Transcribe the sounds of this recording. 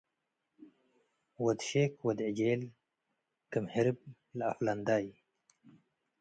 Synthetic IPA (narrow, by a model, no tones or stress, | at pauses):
wad̪ʃeːkwad̪id͡ʑeːl | kəmhɪɾb̚ | laafland̪aːj